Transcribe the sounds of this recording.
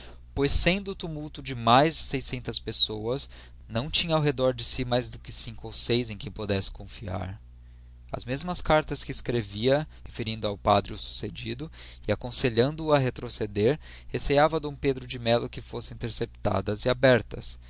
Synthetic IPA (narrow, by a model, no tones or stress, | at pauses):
pojsẽnd̪ʊːt̪umuwt̪ʊd͡ʒɪmajzsejsẽnt̪ɐspesowɐs | nɐ̃w̃t͡ʃĩɲɐawɦed̪ɔɾd͡ʒɪsimajzd̪ʊkɪsĩŋkʊowsejzẽj̃kẽj̃pod̪ɛsɪ̥kõfia̰ɾ | ɐ̰zmezmɐskaɾt̪ɐskɪːskɾeviɐhefeɾĩnd̪ʊawpad̪ɾɪʊsu̥sed͡ʒid̪ʊɪakõseʎɐ̃nd̪ʊːɐɦet̪ɾosed̪eɾ | hesejavɐd̪õw̃ped̪ɾʊd͡ʒɪmɛlʊkɪfosɪ̃ĩnt̪eɾsept̪a̰d̪ɐziabɛɾt̪ɐ̰s